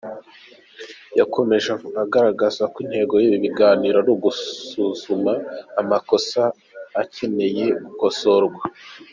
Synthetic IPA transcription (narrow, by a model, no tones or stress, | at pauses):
jakʰo̞me̞ʒaaɡaɾaɡazakwin̥he̞ːɡo̞jiβiβiɡaːniːɾonoɡusuːz̥umaːmako̞saː | ce̞ne̞je̞ɡuko̞so̞ɾɡwa